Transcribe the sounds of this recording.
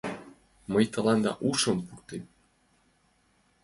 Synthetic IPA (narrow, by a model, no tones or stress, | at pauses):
mɤjt̪ɤ̆lɑnd̪ɑ̰ʔuʃɤ̆mpurt̪em